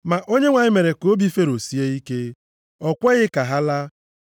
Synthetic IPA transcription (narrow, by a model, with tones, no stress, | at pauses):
ma˨ʔo˦ɲe˦ŋʷa˨ɲɪ˦me˨ɾe˨ko˨˦bi˦fe˦ɾo˨si˦e˦i˦ke˦ | ɔ˨kʷɛ˦ɣɪ˦ka˨ɦa˦la˦